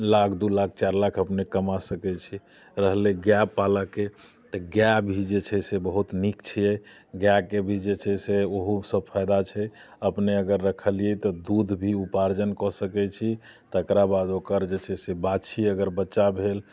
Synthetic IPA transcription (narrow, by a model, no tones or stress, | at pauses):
lakʰd̪ulak̚ʰt͡ʃaɾlakʰəpnekəmasəkɛt͡ʃʰi | ɾəɦleɡjapaləke | t̪ɔɡjabʱid͡ʒet͡ʃʰɛsebəɦut̪nikt͡ʃʰiɛ | ɡjakebʱid͡ʒet͡ʃʰɛseoɦusəb̚pʰajd̪at͡ʃʰɛ | əpneəɡəɾːəkʰəlijɛt̪ɔd̪ud̪ʱbʱiupaɾd͡ʒənkɔsəkɛt͡ʃʰi | t̪ɔəkɾabad̪okəɾd͡ʒet͡ʃʰɛsebat͡ʃʰiəɡəɾbətːt͡ʃːʃabʱel